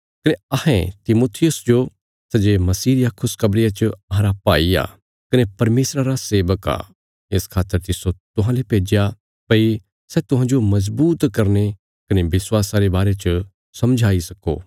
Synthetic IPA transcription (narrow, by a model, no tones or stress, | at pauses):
kɐneɐhɛ̰̃t̪ɪmoːt̪ʰɪjʊsd͡ʒo | sɐd͡ʒemɐsiːɾɪjakʰʊskɐbɾɪjat͡ʃɐɦãɾapaːija̰ː | kɐnepɐɾmeːsɾaɾaseːʋəka̰ː | ɪskʰaːt̪ːəɾt̪ɪsot̪ʊɦãlepeːd͡ʒja | pɐi | sɛt̪ʊɦãːd͡ʒomɐz̬buːt̪kɐɾne | kɐnebɪswaːsaɾebaːɾet͡ʃ | sɐmd͡ʒʱaːisɐko̰ː